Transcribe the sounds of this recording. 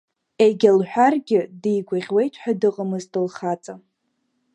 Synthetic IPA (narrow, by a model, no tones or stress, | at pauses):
eɡʲalħʷᶣarɡʲɪdijɡʷaʁʲwe̞jtʼʰħᶣadɨqʼəmɨztɨlχat͡sʼa